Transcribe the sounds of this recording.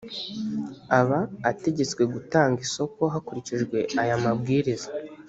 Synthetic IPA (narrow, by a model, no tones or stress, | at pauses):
aβaːte̞ɟe̞t͡swe̞ɡutaːŋɡiso̞ko̞ɦakuɾiciʒɡwe̞ajamabɡiːɾiza